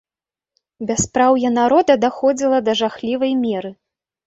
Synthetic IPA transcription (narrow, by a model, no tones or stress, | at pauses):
bʲaspɾawjɐnaɾɔd̪ɐd̪axɔd͡zʲilˠɐd̪ɐʐaxlʲivɐjmʲɛɾɨ